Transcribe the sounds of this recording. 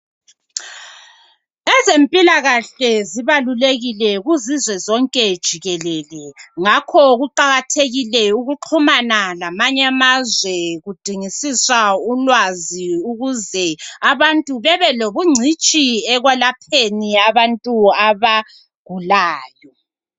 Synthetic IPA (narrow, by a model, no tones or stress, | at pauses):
ɛzempʼilaɣaɬɛziβaluleɣilɛɣuzizwɛzɔŋkʼɛd̥ʒ̥ʱiɣɛlɛːlɛŋakʰɔɣuǃaɣatʰeɣilɛuɣuǁʰumanalamaɲamazwɛɣud̥ʱiŋisiswaulwaziuɣuzɛaβantʼuβɛβɛloβuŋ͡ǀʱit͡ʃʼiɛɣwɛlapʰeniaβantʼuaβa | ɡ̥ʱulaːjɔ